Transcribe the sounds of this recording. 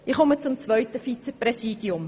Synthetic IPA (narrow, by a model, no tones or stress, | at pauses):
ɪχɔmət͡sʊmt͡svœʏɥtəfit͡səprɛsiːdiʊm